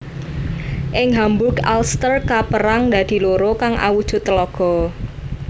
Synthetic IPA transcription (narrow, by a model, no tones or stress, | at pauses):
ʔɪŋɦambʊka̰lst̪ərkapəɾaŋd̪a̤d̪̥i̤loɾokaŋʔa̰wud̥ʒ̥ʊ̤t̪ːlɔɡ̥ɔ̤